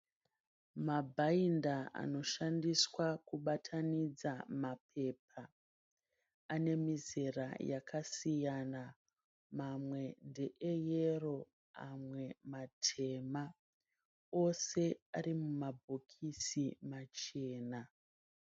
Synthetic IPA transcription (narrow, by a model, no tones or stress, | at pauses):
mabʱaindaʔa̰no̞ʃandiswakuɓatʰanid͡zamapʰe̞p̚ʰa | ane̞mizerajakasijana | mamwe̞nde̞ʔejero̞ | a̰mwe̞matʰe̞ma | o̞se̞aɾimumabʱokʰisimat͡ʃe̞ːna